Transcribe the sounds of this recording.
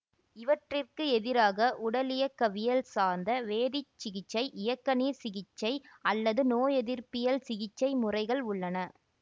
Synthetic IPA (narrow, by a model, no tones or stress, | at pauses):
ɪʋɐʈrɪrkɯɛðɪɾaːɣɐʔʊɽɐlɪjɐkːɐʋɪjɐlsaːɾnd̪ɐʋeːðɪt͡ʃːɪɣɪt͡ʃːɐɪʔɪjɐkːɐniːɾsɪɣɪt͡ʃːɐɪɐlːɐðɯnoːjɛðɪɾpɪjɐlsɪɣɪt͡ʃːɐɪmʊrɐɪɣɐɭʊɭːɐnɐ